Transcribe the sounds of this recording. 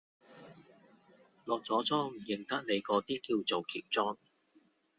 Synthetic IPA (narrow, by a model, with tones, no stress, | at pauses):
lɔː˨k̚t͡sɔː˨˥t͡sʰɔː˥ŋm̩˨˩jɪ˨ŋt̪ɐ˥k̚ne˨˧jkɔː˨˧t̪iː˥kiː˧wt͡so˨wkʰḭː˨˩w̚t͡sɔː˥ŋ